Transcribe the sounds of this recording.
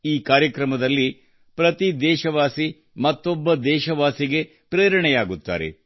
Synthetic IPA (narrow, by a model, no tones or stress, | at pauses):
iːkaːɾjɐkɾɐmɐd̪ɐlːi | pɾɐt̪id̪ɛːʃɐʋaːsi | mɐt̪ːobːɐd̪ɛːʃɐʋaːsiɡe̞ | pɾeːɾɐɳɛjaːɡut̪ːa̰ːɾḛ